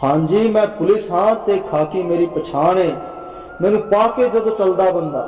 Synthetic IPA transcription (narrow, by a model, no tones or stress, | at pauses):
hãːɲd͡ʒiːmɛ̃ːpʊlɪsɦãːt̪eːkʰaːkiːmeːɾiːpət͡ʃʰaːnɦeː | mɛ̃ːnũːpaːkeːd͡ʒəd̪õːt͡ʃəld̪aːbənd̪a̰ː